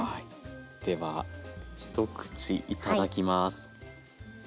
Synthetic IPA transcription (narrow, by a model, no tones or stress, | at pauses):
d̪̥e̞βaçi̥t̪o̞kɯ̟̥t͡ɕiʔit̪ad̪akʲimasɨ̥